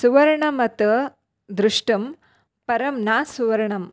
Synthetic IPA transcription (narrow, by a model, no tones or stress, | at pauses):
suʋɐɾɐɳɐmɐt̪ɐ | d̪ɾuʂʈɐm | pɐɾɐmnaːsuʋɐɾɐɳɐm